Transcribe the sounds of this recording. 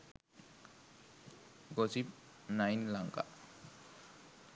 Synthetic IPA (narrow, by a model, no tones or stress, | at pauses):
ɡɔzip̚ | najnlaŋka̰